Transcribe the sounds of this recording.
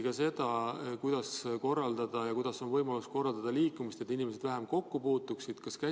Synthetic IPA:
kɑse̞d̪̥ɑkujd̪̥ɑsko̞rːɑld̪̥ɑd̪̥ɑjɑkujd̪̥ɑso̞nvɤjmɑlusko̞rːɑld̪̥ɑd̪̥ɑliːkːˑumist̪e̞t̪ːˑinime̞se̞d̪̥væɦemko̞kːupuːt̪ːuksid̪̥kɑskæ

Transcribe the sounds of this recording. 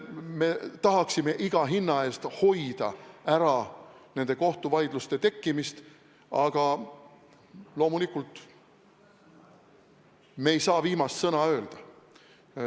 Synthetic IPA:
me̞t̪ɑɦɑksime̞ʔiɡ̥ɑɦinːɑe̞ːst̪ho̞jd̪̥ɑæɾɑne̞nd̪̥e̞ko̞ht̪uvɑjd̪̥lust̪e̞t̪e̞kˑːimist̪ | ɑɡ̥ɑ | lo̞ːmulikˑult̪ˑ | me̞ːjsɑːviːmɑst̪sɤnɑø̞ːld̪̥ɑ

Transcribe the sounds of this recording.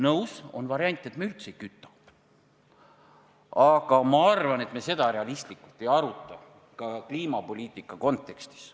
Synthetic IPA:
nɤwso̞̰nvɑɾjɑnʲt̪ˑːet̪meylt̪sejkyt̪ˑːu̥ | ɑɡ̥ɑmɑɑrvɑne̞t̪mese̞d̪ɑɾe̞ɑlist̪likːult̪ːˑe̞jɑɾut̪ˑːɑ | kɑkliːmɑpo̞lʲiːt̪ˑːikːˑɑko̞nt̪ːˑe̞kst̪i̥s

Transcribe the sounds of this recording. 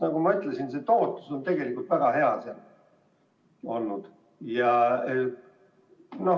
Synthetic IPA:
nɑɡ̥umɑyt̪ˑlesinse̞t̪o̞ːt̪ːˑu̥so̞nt̪e̞ɡ̥e̞likult̪væɡ̥ɑɦe̞ɑseɑl | o̞lːud̪̥ | jɑ | no̞

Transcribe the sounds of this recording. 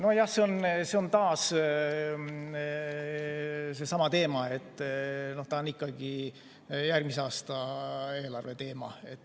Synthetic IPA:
no̞jɑhseonse̞o̞nt̪ɑːs | se̞sɑmɑt̪e̞ːmɑe̞t̪ːno̞ht̪ɑnikːɑɡ̥i | jærɡmiseɑːst̪ɑe̞ːlɑrve̞t̪e̞ːmɑ̰e̞t̪ːˑ

